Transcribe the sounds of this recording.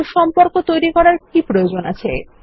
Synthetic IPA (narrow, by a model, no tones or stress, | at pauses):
ɾʃɔmpoɾkot̪ojɾikɔɾaɾk̚ipɾojod͡ʑona̰t͡ɕʰḛ